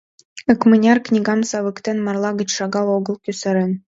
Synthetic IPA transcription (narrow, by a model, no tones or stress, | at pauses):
ə̆kmɘ̆nʲɑrknʲiɡɑmsɑʋɯ̆kt̪ʲenmɑrlˠɑɡɘ̆t͡ɕʂɑɡɑlˠoɡɤ̆lˠkʲysɘɾʲɘ̆n